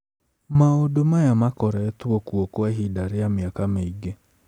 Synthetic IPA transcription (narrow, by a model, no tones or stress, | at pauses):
maodomajamakɔɾɛɛtuɔkuɔkwaɦidaɾeameakameiɡe